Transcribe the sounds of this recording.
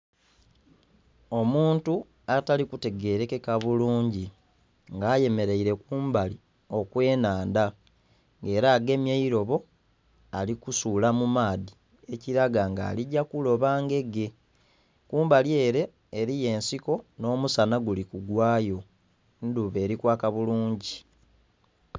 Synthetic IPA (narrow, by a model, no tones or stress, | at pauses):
o̞muːntu | atalikute̞ɡe̞ːɾe̞kekaβuluːɲɟi | ŋɡaːje̞me̞ɾe̞iɾe̞kuːmbali | o̞kwe̞ːnaːnda | ŋɡe̞ːɾaːɡe̞mjeiɾo̞βo̞ | alikusulamumaːdi | e̞ciɾaɡaŋɡa̰ːliɟakulo̞βaːŋɡe̞ɡe̞ | kuːmbalie̞ɾe̞ː | ɾije̞ːnsiko̞no̞ːmusanaɡulikuɡwaːjo̞ | nduβe̞ːɾikwaːkaβuluːɲɟi